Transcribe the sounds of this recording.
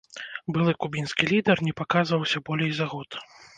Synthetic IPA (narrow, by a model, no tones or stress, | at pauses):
bɨlˠɨkubʲinskʲilʲid̪ɛrnʲɛpakazvɐwsʲɐbɔlʲejzaɣɔt̪